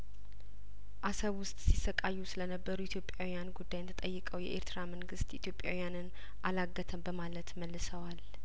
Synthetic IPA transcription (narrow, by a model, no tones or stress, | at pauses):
ʔasəβwʊst̪ʼsisːəkʼajːusɨlənəbːəɾuɪt̪ʰjo̞pʼːjawijanɡud̪ːajɛt̪ʰət̪ʼəjːɨkʼəwjɛ̰ʔeɾt̪ɾaməŋɡɨst̪it̪ʰjopʼjawijanɨn | ʔalaɡːət̪ʰəmbəmalət̪məlːɨsəwal